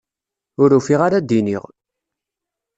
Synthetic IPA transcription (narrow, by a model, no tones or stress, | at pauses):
ʊɾufiʁaɾad̪inḭʁ